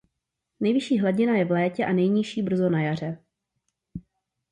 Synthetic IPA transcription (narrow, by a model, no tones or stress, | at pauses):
nɛjvɪʃiːɦlaɟɪnajɛvlɛːcɛʔanɛjɲɪʃiːbr̩zonajar̝ɛ